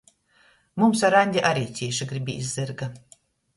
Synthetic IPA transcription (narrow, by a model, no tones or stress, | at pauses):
mumsaɾanʲd̪ʲiʔaɾʲiːt̪sʲiɛʃiɡɾibʲiizːɨɾɡa